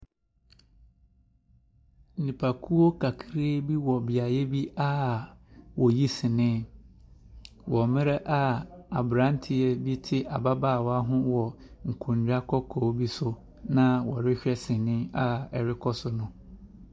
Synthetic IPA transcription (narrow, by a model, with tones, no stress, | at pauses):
n̩˨nĩ˨pʰa˨kʰu˦wo˦kʰa˨kʰɾe˦bi˦wɔ˨bɪ˨a˨jɛ˦bi˦a˦ | wɔ˨ji˦sɪ̃˨nɪ̃˦ | wɔ˨mɪ̃˦ɾɛ˦ʔa˦a˨bɾã˨˦n˦tʰɪ˨ɛ˦bi˦tʰɪ˦ʔa˨ba˦baː˦˨wa˦ɦʊ̃˦wɔ˨ŋ̩˨kʰũ˨ɲd͡ʑᶣa˦kʰɔ˦kʰo˨˦bi˦sʊ˦ | nã˦wɔ̰˨ɾɪ˦ɕᶣɛ˦sɪ̃˨nɪ̃˦a˦ɛ˨ɾɪ˦kʰɔ˦sʊ˦nʊ̃˦